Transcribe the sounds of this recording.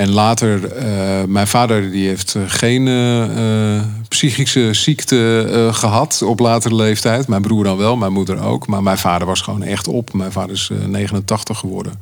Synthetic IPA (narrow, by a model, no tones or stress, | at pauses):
ɛnlaːtəɹ | mɛjnvaːdəɹdiɦejftχejn | psiχisəsiktəχəɦɑtɔplaːtərəlejftɛjtmɛjnbruːɹdɑnʋɛlˠmɛjnmudəɹo̰wkmaːɹmɛjnv̥aːdəɹʋɑsχəʋo̰ːnɛ̰χtɔpmɛjnvaːdəɹɪsnejχənəntɑχtəχːəʋɔɹdə̰n